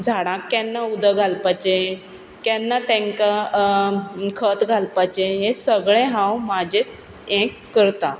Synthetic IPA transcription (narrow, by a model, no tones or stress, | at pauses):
d͡zʱaɽãkːɛnːaud̪əɡʱalpat͡ɕe | kɛnːat̪ɛ̃ŋka | kʰət̪ɡʱalpat͡ɕeɦesəɡɭɛ̃ɦãwmad͡ʑet͡s | ɛ̃kːəɾt̪ã